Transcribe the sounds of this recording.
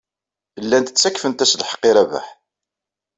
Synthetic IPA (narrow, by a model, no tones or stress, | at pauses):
lːænt̪ə̥t͡sːækːfənt̪æslħə̥qːiɾævæ̰ħ